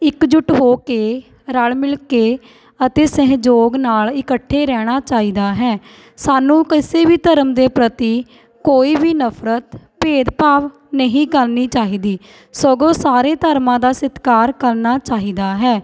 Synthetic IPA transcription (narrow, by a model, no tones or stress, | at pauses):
ɪkd͡ʒʊʈɦoːkeː | ɾəlmɪlkeː | ət̪eːsɪ̃ɦd͡ʒoːɡnaːlɪkəʈʰːeːɾɛːɽ̃aːt͡ʃaːiːd̪aːɦɛː | saːnũːkəseːbiːt̪əɾəmd̪eːpɾət̪iː | koːiːbiːnəpʰɾət̪peːd̪paːʋ | nəɦĩːkəlniːt͡ʃaːɦiːd̪iː | sɔɡõːsaːɾeːt̪əɾmãːd̪aːsɪt̪kaːɾkəɾnaːt͡ʃaːɦiːd̪aːɦɛː